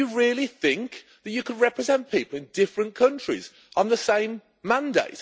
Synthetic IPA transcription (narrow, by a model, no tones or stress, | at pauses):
əɹɪəliθɪ̃ŋk | ðət͡ʃəkʰədɹɛpɹɪzɛ̃npʰiˑpəl̩ˠɪ̃ndɪfɹə̃nkʰʌ̃nt͡ʃɹ̥ḭz | n̩ðəsẽɪ̃mː | ãndḛɪt